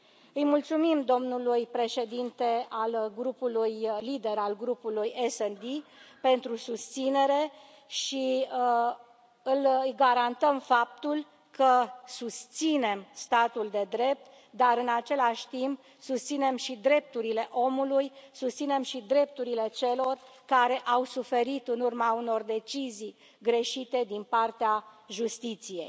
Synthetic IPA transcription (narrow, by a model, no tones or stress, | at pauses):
ɨjmult̪sumimd̪o̞mnulujpɾe̞ʃe̞d̪int̪e̞alɡɾupulujlid̪e̞ɾalɡɾupulujesend̪ipe̞nt̪ɾusust̪sine̞ɾe̞ | ʃi | ɨljɡaɾant̪əmfap̚t̪ul | kʰəsust̪sine̞mst̪at̪uld̪e̞d̪ɾe̞p̚t̪ | d̪aɾɨnat͡ʃe̞laʃʲt̪imp̚ | sust̪sine̞mʃid̪ɾe̞p̚t̪uɾile̞ʔo̞mulujsust̪sine̞mʃid̪ɾe̞p̚t̪uɾile̞t͡ʃe̞lo̞rkaɾe̞ʔawsufe̞ɾit̪ɨnurmauno̞rd̪e̞t͡ʃizij | ɡɾe̞ʃit̪e̞d̪inpart̪eaʒust̪it̪sije̞̰j